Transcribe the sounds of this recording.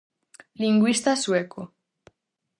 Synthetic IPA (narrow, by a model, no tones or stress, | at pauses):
liŋɡwist̪asweko